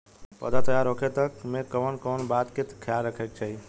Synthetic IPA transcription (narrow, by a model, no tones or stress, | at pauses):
pə̰d̪at̪əjaɾɦokʰet̪əkmẽkəʋənkoːnbat̪kɪt̪ʰkʰjalɾəkʰek̚t͡ʃʰəi